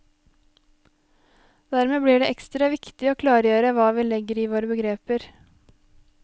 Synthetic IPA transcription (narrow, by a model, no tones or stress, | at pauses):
d̪̥æɾmeːbliːɖeːʔɛkst̪ɾɑʋɪkt̪ɪoːkʰlɑːɾjøːɾəʋɑːʋiːlɛɡəɾiːʋoːɾəbəɡɾeːpəɾ